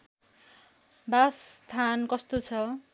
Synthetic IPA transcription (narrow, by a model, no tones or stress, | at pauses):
bast̪ʰankʌst̪ot͡sʰʌ